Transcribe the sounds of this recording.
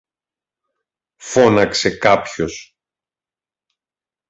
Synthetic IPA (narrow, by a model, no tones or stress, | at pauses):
fo̞nɐkse̞kɐpço̞s